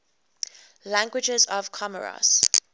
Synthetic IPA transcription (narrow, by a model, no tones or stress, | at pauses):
læ̃ŋɡwɪd͡ʒɛzɔv̥kʰɔmə̰ɹa̰s